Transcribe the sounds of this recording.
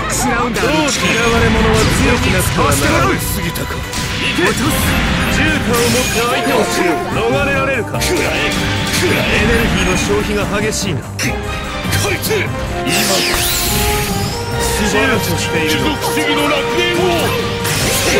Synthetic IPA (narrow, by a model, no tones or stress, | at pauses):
iɡaɯ̃nd̪ad̪oːkiɾaβaɾe̞mo̞no̞βaɨjokʲinat͡sɨ̥kaɾaḁsɨɡʲit̪akḁ | d͡ʑɨːkʲomok̪ːeait̪oɕino̞ɡaɾe̞ɾaɾe̞ɾɯ̟ka | ene̞ɾɯ̟ɡʲiːnaɕo̞ːçiɡaɦaɡe̞ɕiːna | kʰa | ima | sd͡ʑɨːt̪oɕi̥t̪e̞iokt̪eɡʲinoɾak̪eo